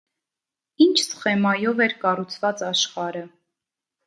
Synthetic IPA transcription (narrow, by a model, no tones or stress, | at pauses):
int͡ʃʰsχɛmɑjɔvɛɾkɑrut͡sʰvɑt͡sɑʃχɑɾə